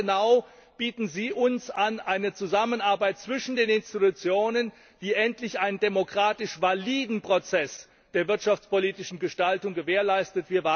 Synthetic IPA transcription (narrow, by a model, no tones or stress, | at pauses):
ənaʊ | b̥iːtn̩ziːʔʊnsanʔaɪnət͡suzamənaɐbaɪt̚t͡sv̥ɪʃn̩deːnɪnstitut͡sjoːnən | v̥iːʔɛntlɪçʔaɪnəndemokʁ̥aːtɪʃvaliːdn̩pʁ̥ot͡sɛs | d̥eːɐvɪɐtʃaft͡spoliːtɪʃn̩ɡəʃtaltʊŋɡəveːɐlaɪstətv̥iːɐva